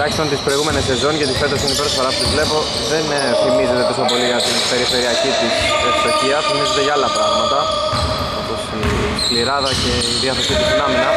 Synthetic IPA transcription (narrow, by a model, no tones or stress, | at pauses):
ɐçist̪ɐnt̪ispɾo̞jɣume̞nesːe̞zo̞ɲcet̪ifet̪ɐsinipeɾsfoɾɐpot̪izvle̞po̞ | ðen | θimize̞t̪e̞t̪o̞so̞po̞liʝɐt̪inpe̞ɾife̞ɾiɐcit̪i | eksociɐfimize̞t̪e̞ʝɐɐlːɐpɾɐɣmɐt̪ɐ | o̞po̞si | fliɾɐðɐce̞iðiɐθe̞sit̪izinɐminɐ